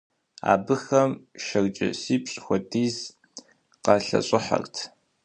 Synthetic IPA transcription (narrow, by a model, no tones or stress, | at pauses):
a̰ːbɨxɐmʃɐrt͡ʃʼɪ̰siːpɕʼxʷɔdiːz | qɑɬɐ̰ɕʼɪħa̰rtʰ